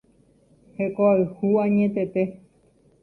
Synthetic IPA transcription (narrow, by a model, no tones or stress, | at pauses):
hekoaɨhuãɲẽt̪et̪e